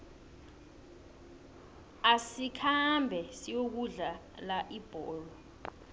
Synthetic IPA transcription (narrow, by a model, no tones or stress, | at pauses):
asikʰambʱɛsijok̬uɮa | laʔib̥ʱɔːlɔ